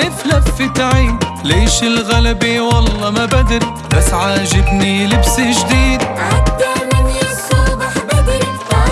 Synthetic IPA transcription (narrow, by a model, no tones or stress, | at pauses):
ɪflaffːɪt̪aʕi | leːʃɪlɣalabiwɑlˤːɑmabad̪ɾ | basːʕaːʒɪbnilɪbsɪʒd̪iːd̪ʕad̪ːamɪnjɪsaːbɪħbad̪